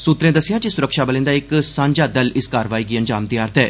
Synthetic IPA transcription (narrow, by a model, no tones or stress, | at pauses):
suːt̪ɾẽːd̪əsɪjãːd͡ʒisʊɾəkʃaːbəlẽnd̪aːɪksãːɲd͡ʒaːd̪əlɪskaːɾʋaːiːɡiːənd͡ʒaːmd̪iːaːɾt̪ɦɛː